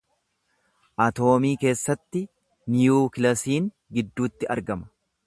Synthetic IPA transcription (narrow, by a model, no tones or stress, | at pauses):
ʔɐt̪o̞ːmiːke̞ːsːɐt̪ːɪ | nɪjuːkɪlɐsiːŋ | ɡɪd̪ːuːt̪ːɪɐ̰ɾɡɐmɐ̥